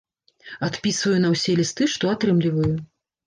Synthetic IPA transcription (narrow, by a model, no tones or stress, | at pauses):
at̪pʲisvɐjun̪ɐwsʲɛlʲist̪ɨʂt̪ɔat̪ɾɨmlʲivɐju